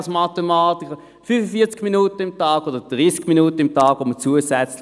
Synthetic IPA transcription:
smɑtemɑːtikʰə | fyːfəfiːɐt͡skminuːtəɪmtɑːɡodəd̥ʁiːskminuːtəɪmtɑːɡ̥ʋomət͡suːəsɛt͡sl

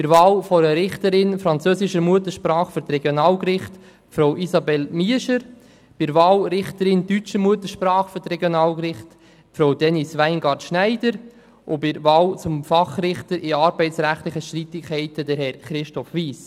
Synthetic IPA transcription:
b̥ɪɾʋɑːlfɔɾəɾɪχtəɾɪnfɾɑnt͡søːsɪʃəɾmuətəʃpɾɑːχfyɾtɾɛɡjonɑːlkrɪχt | fɾowʔisɑbɛlmiəʃəɾ | b̥ɪɾʋɑːlɾɪχtəɾɪntyt͡ʃəmuətəʃpɾɑːχfɔtɾɛɡjonɑːlkɾɪχt | fɾowdɛnisʋæɪnɡɑɾtʃnæɪdəɾ | ʔʊbɪɾvɑːwt͡sʊmfɑχrɪχtəɾʔɪɑɾbɛɪtsɾæχtlɪχəʃtɾitɪkʰhɛɪtədəɾɦɛɾχɾɪʃtɔfʋiːs

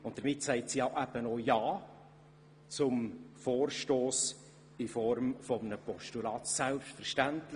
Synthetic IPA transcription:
ʊntd̥əɾmɪtsɛɪtsiːɑʊʔæb̥ənojɑː | t͡sʊmfoːrʃtoːs | ɪfɔɾmfɔmənəpɔʃtulɑːt̪sælpstfəɾʃtæntlə

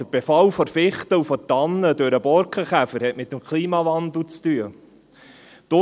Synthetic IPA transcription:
əɾb̥efɑwfɔɾfɪχt̪əufɔtɑnːəd̪øɾəbɔɾkʰəχæfəɾhɛtmɪt̪ːəmkʰliːmɑvɑnd̪l̩t͡st̪yə | d̥̪o

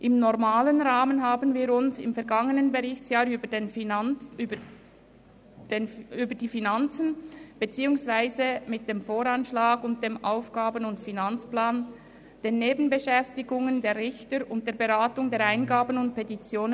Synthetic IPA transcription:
ʔɪmnɔʁmaːlənʁaːmənɦaːbənviːɾʊnsɪ̰mfɛɐɡɑŋənənbeʁɪçtt͡sjaːɾybədn | d̥enyːbəd̥iːfinant͡sən̩b̥et͡siːʊŋsv̥aɪzəmɪt̚d̥eːmfoːɾanʃlaːɡʊnt̚d̥eːmʔaʊfɡ̥aːbənʊntfinant͡splaːn | d̥eːneːbn̩bəʃɛftɪɡʊŋəndeːɾʁɪçtəɾʊnt̚d̥eːɐbeʁaːtʊŋdeːɐɾaɪnɡaːbənʊnt̚pʰɛtit͡sjoːnə

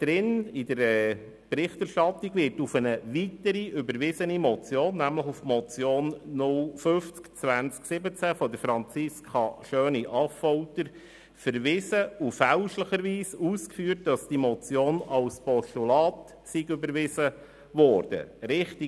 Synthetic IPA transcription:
d̥ɾɪnɪdəɾɛ | b̥ɾɪχtæɾʃtɑtːiɡʋɪɾtufənəʋitəɾiʔʏbəɾʋɪzənimɔt͡sjoːnːæmləχufmɔt͡sjoːnːʊlføft͡skt͡sʋænt͡sksɪbət͡sæfɔdəɾfɾɑnt͡sɪskʰɑʃøːniʔɑfɔʊtəɾ | fəɾʋɪzəufæʊʃləχəɾʋiːsuːskfyːɾt̚d̥ɑsd̥imɔt͡sjoːnɑlspɔʃtulɑːt | siɡʏbəɾʋɪzə | ʋɔːrd̥ə̰ɾɪχti

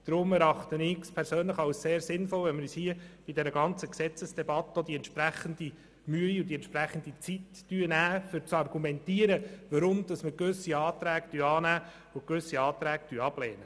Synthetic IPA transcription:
d̥̪ɾʊmɛɾɑχt̪ənɪɡspʰɛɾsøːnləχɑwsseːɾsɪnfɔlʋɛnməɾyːshiəb̥id̪ɛɾəɡɑnt͡səksɛt͡səsd̥ɛbɑt̪əod̪iɛnt̪ʃpɾæχənd̥̪i | myəiʊd̥̪iɛntt͡ʃʃpɾæχən̩d̪it͡sitːyənæːfʏɾt͡sɑrɡumɛnt̪iːəɾəʋəɾʊmd̪̥ɑsməkʋʏsiɑːt̪ɾæːktyːɑːnæː | ʊkʋʏsːiɑːt̪ɾæːk̚tyəɑb̥lɛːnə

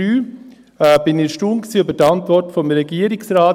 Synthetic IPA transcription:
yː | ɛb̥ɪnɪʃtuːnksiːøbətɑntvʋɔrtfomɾɛɡiːəɾɪksɾaː

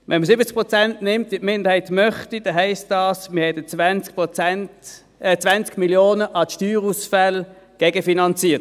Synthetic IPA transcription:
ʋɛ̰nməsɪbət͡sk̚pʁɔt͡sæntnɪmtitmɪndəhɛɪtmœχtid̥ɛɦæɪst̚dɑːsməhɛdət͡svɛnt͡skpt͡sɛnt | t͡sʋant͡skmiljoːnəʔɑtʃtyːʁusfæl | ɡ̥ɛɡəfinɑnt͡siːət

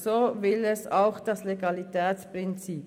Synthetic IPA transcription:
soːvɪlɛsaʊxd̥asleɡɑlitʰɛːt͡spʁɪnt͡siːp

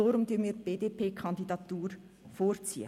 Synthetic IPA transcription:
ɔɾʊmtyːnmiːb̥eːdepʰeːkʰɑndidɑt̪uːɾ | foːɾt͡sḭːə̰

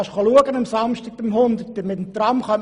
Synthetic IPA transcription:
ɑʃχoluəɡənɑmsɑmʃtiɡ̚bɪmhʊnd̪ətːəmɪt̪əmt̪rɑmχœm

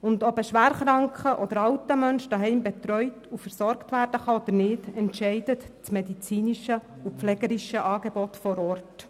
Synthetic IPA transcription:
ʊndɔbəʃʋæːɾχɾɑŋkχəʔɔd̥̪əɾɑwtəmœnʃd̥ɑɦɛɪmbɛt̪ɾœʏtufəɾsɔɾktʋæːɾd̥əχɑɔd̪əɾnɪdɛntʃɛɪdətt͡smɛdit͡siːniʃə | upflɛɡəɾiʃəʔɑːɡebɔt̪fɔɾɔrt

